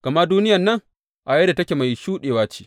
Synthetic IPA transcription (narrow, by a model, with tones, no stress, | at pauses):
ka˨mɐ˦duː˦nɪ˦jɐ˨nːɐ˦ŋ | ʔa˨jɐ˦da˨tɐ˦kʲeː˨ma˨jʃuː˦ɗeː˨waː˦t͡ʃi̥ː˦